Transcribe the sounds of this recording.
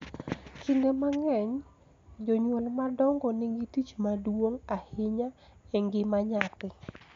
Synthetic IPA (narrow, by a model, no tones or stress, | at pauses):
kʰiŋɡemaŋɛɲ | d͡ʒɔɲwɛlmadɔŋɡɔnɪŋɡitit͡ʃmadwoŋahɪɲaeŋɡɪmaɲatɪ